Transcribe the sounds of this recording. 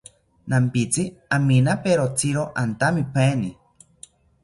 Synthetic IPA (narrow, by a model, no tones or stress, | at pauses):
nampit͡siaminapeɾot͡siɾoʔant̪amipeni